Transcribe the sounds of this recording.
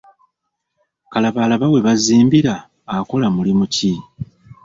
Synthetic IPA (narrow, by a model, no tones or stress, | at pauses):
kalaβalaβawe̞βaziːmbiɾaː | ko̞lamulimuci